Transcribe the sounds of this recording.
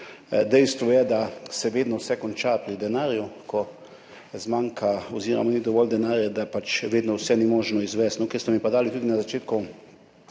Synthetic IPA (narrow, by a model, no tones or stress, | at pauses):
d̪ɛjst̪ʋɔjɛd̪asɛʋeːd̪nɔwsɛkɔnt͡ʃapɾid̪ɛnaːɾjukʰɔ | zmaŋkʰaoziːɾa̰mɔnid̪ɔʋɔld̪ɛnaːɾjad̪apat͡ʃʋeːd̪nɔwsɛnimoːʒnɔizʋɛst̪nɔkɛɾst̪ɔmipad̪aːlit̪uːd̪inazat͡ʃeːt̪ku